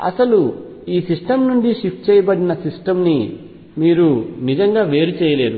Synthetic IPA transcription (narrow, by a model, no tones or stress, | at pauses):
ɐ̰sɐlu | iːsisʈɐmnuɳɖiʂipʈ̚t͡ʃɛːjɐbɐɽinɐsisʈɐmni | miːɾunid͡ʒɐŋɡaːʋe̞ːɾut͡ʃɛːjɐle̞ːd̪u